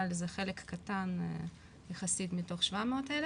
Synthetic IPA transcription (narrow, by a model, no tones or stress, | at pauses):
alezeχelekːatan | jeχasitmito̞χʃvameotel